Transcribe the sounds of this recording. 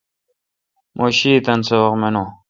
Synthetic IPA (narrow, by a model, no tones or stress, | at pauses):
mʔoɕiːt̪ɐnsewɐqmenoː